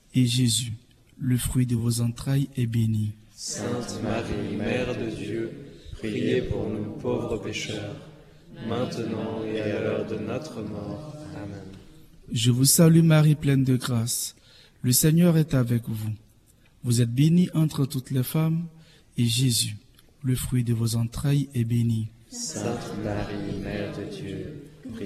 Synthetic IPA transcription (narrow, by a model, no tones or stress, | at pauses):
eʒezy | ləfχɥid̪əvozɑ̃t̪χajɛbeni | sɛ̃t̪maʁimmɛʁd̪əd̪jøpχiijepuʁnupovʁəpeʃœʁ | mɛ̃t̪ənɑ̃eaalœʁd̪ənɔt̪χəmɔʁ | ʒəvusalymaʁiplɛnd̪əɡʁas | ləsɛɲœʁɛt̪avɛkvu | vuzɛt̪̚beniʔɑ̃t̪χət̪ut̪lɛfam | eʒezy | ləfχɥid̪əvozɑ̃t̪χajɛbeni | sɛ̃t̪maʁimɛʁd̪əjø